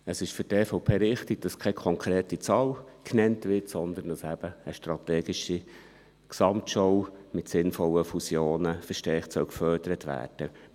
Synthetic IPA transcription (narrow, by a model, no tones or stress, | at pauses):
əsɪʃfɵɾtɛːfɔʊpʰeːɾɪχtɪɡ̥̚d̥ɑskʰɛkʰɔŋkɾeːtit͡sɑːlkʰnɛntʋɪtsɔnd̪ənd̥ɑsæb̥əːʃtrɑt̪ɛːɡɪʃi | ksɑmtʃɔwmɪtsɪnfɔlːəfusjoːnəfəʃtɛχtsœʊkfœɾd̥əɾət̪ʋæ̰ːrd̥ə